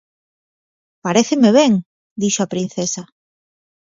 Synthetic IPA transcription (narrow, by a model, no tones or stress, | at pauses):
paɾeθɪmeβ̞ɛŋ | d̪iʃoapɾin̟θesa